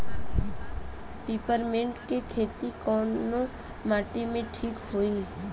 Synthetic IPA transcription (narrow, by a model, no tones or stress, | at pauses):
piːpəɾmẽɳʈkekʰeːt̪ikɔːnːo | maːʈimẽʈʰiːkɦoːiː